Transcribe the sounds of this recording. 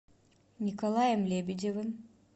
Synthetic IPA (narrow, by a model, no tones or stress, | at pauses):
nʲikolˠajemlʲebid͡ʒevɯm